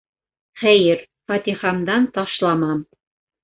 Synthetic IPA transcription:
χæjɘɾ | fɑt̪iχɑmd̪ɑnt̪ɑʃlˠɑmɑm

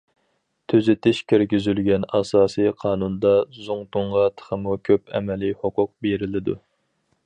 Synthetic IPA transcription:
t̪ʰyzɪt̪ʰɪʃkʲʰeɾɡʲyzylɡʲɛnɑsɑːsijqʰɑːnund̪ɑzuŋt̪uɴʁɑt̪ʰə̥χəmukʲʰøpɛ̰mɛlihoqʊq̚beɾɪlɪd̪ṵ

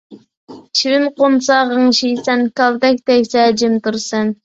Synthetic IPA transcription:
t͡ʃʰiwɪnqomsɑːʁəŋʃijsɛnkʲɑlˠd̪ɛkʲt̪ɛkʲsɛd͡ʒɪmt̪uɾsɨn

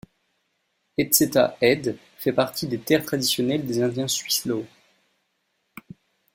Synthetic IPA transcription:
ɛt̪set̪a̰ɛd̪ | fɛpaʁt̪id̪et̪ɛʁt̪χad̪isjɔnɛld̪ezɛ̃d̪jɛ̃sɥislo

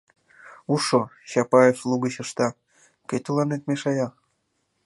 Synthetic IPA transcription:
uʃoɕɑpɑjeflˠuɡə̆ɕɤ̆ʃt̪ɑ | ket̪ʲulˠɑnet̪̚meʃɑjɑ

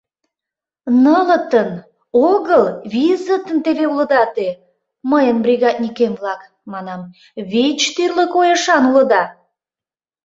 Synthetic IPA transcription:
nələt̪ən | oɣəlβizət̪ənt̪eveuləd̪ɑt̪e | məjənbrʲiɣɑd̪nʲikemblɑk | mɑnɑm | βit͡ɕt̪yrləkojəʃɑnulə̆d̪ɑ

